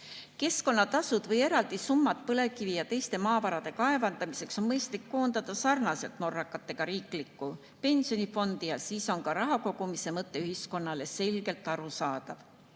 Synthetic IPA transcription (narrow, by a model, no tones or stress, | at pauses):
ke̞sko̞nːɑt̪ɑsud̪̥vɤje̞ɾɑld̪̥isumːɑt̪̚pɤle̞kivijɑt̪e̞jst̪e̞mɑːvɑɾɑd̪̥e̞kɑe̞vɑnd̪ɑmise̞kso̞nmɤjst̪likːo̞ːnd̪̥ɑd̪̥ɑsɑrnɑse̞lt̪no̞rːɑkːˑɑt̪ːˑe̞ɡ̥ɑɾiːklikːˑu | pe̞nʲsio̞nifo̞nd̪̥ijɑsiːso̞nkɑɾɑɦɑko̞ɡumise̞mɤt̪ːˑe̞yhisko̞nːɑle̞se̞lɡ̥e̞lt̪ːˑɑɾusɑːd̪̥ɑv̥